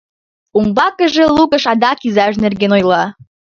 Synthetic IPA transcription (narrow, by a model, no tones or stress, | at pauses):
umbɑkəʒelukəʃɑd̪ɑkizɑʃ̬nerɡenojlɑ